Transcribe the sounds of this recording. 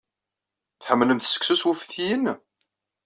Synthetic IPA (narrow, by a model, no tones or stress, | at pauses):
θħəmːləmθsə̥ksuswufθjən